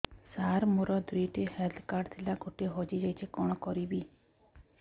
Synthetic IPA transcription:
saɾmoɾɔd̪ɾiʈiheld̪ʰkaɾɖt̪ʰilaɡʱoʈiɦɔd͡ʒid͡ʒajt͡ʃʰekɔɽ̃ɔkɔɾibi

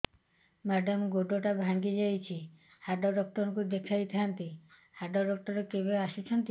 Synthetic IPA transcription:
maɖɔmɡoɖoʈabʱaŋɡid͡ʒajt͡ʃʰi | haɖɔɖɔk̚ʈɔɾkud̪ekʰajt̪ʰiɦant̪i | haɖɔɖɔk̚ʈɔɾekebeaʃit͡ʃʰɔnt̪i

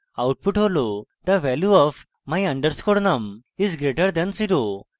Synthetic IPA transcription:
awʈ̚puʈɦolod̪əʋɛljuɔf | majɐ̃ɳɖəɾskoɽnɐmizɡɾeʈəɾd̪ɛ̃nsiɾo

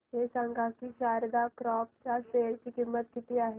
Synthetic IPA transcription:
ɦesaŋɡakiʃaːɾd̪akɾɔːp̚t͡ʃaseːɭkikɪmːət̪̚kit̪iaːɦe

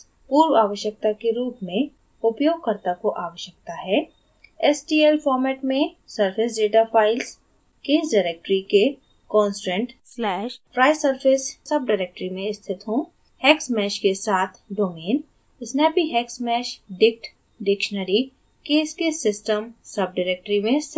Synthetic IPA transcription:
puːɾwaːʋəʃjək̚t̪akeɾuːpmẽ | ʊpjoːɡ̚kəɾt̪akoʔaːʋəʃjək̚t̪aɦɛː | ɛsʈiːelfɔːɾmɛːʈmẽ | səɾpʰɪs̬ɖeːʈapʰaːɪls | keːsɖaːɾek̚ʈɾike | kɔ̃ːnsɾə̃ɳʈslɛːʃpʰɾaːɪsəɾfʰɪssɐb̚ɖaːɾeːk̚ʈɾimẽɪst̪ʰɪt̪ɦõ | hɛːksmɛːʃkesaːt̪ʰɖoːmeːn | ɪsnɛpiɦɛːksmɛːʃɖɪk̚ʈ | ɖɪkʃnəɾi | keːskesɪsʈəmsɐb̚ɖaːɾeːk̚ʈɾimẽs

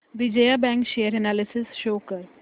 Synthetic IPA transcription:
ʋid͡ʒəjabɛ̃ŋkʃejəɾɛnalɪsɪsʃoːkəɾ

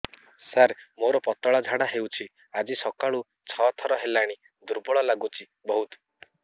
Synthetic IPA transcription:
saɾmoɾɔpɔt̪ɔɭad͡ʒʱaɽaɦewt͡ʃʰi | ad͡ʒisɔkaɭu | t͡ʃʰɔt̪ʰɔɾɔɦelaɽ̃i | d̪uɾbɔɭɔlaɡut͡ʃʰi | bɔɦut̪ɔ̥

